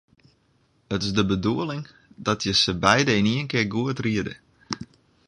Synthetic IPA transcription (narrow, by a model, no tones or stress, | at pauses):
ətɪsdəbəduəlɪŋ | dɔtʰjəsəbɛjdəiniənkɪrɡuətriədə̰